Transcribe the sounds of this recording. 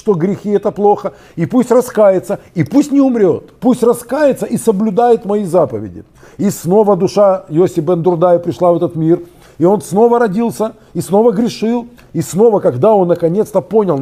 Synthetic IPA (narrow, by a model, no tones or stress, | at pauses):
ʂt̪o̞ɡɾʲɪxʲiɛt̪əplˠo̞xə | ipusʲtʲrɐskajɪt̪səipusʲtʲnʲɪʊmɾʲo̞t̪pusʲtʲrɐskajɪt̪səʔisəblʲʊd̪ajɪt̪mɐjizapəvʲɪ̰dʲɪ̰ | isno̞vəd̪ʊʂajosʲɪbɛnd̪ʊrd̪ajɪpɾʲɪʂlˠavɛt̪ət̪mʲir | ɪo̞nsno̞vəɾɐdʲilˠsʲə | isno̞vəɡɾʲɪʂɨlˠ | isno̞vəkɐɡd̪ao̞nːəkɐnʲe̞t̪st̪əponʲɪlˠ